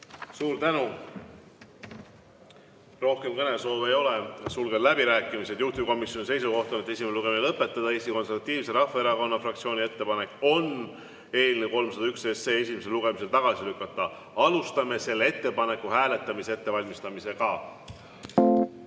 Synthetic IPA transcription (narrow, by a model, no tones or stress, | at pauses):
suːɾt̪ænu | ro̞hke̞mkɤne̞so̞ːve̞jo̞le̞sulɡed̪læbiɾæːkːˑimise̞d̪̥juht̪iko̞misjo̞nʲise̞jsuko̞ht̪o̞net̪ːe̞s̬ʲimeeuɡ̥e̞minelɤpːˑe̞t̪ːˑɑd̪ɑeːsʲiko̞nse̞rvɑt̪ːˑiːvse̞ɾɑfːɑe̞ɾɑko̞nːɑfrɑkt̪sio̞ːnʲie̞t̪ːe̞pɑne̞kːˑo̞n | e̞ːlʲineko̞lmsɑd̪̥ɑyksesːeːe̞simes̬eluɡ̥e̞mis̬e̞lt̪ɑɡ̥ɑsilykːˑɑt̪ːˑɑ | ɑlust̪ɑme̞se̞lːee̞t̪ːe̞pɑne̞kːˑuhæːle̞t̪ːˑɑmisee̞t̪ːe̞vɑlʲmist̪ɑmise̞kɑ